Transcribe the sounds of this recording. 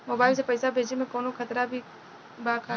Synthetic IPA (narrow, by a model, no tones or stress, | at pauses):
mɔːbaːɪls̬epɐjsabʱeːd͡ʒnemẽkoːnokʰɐt̪ɾabʱi | baːkʰa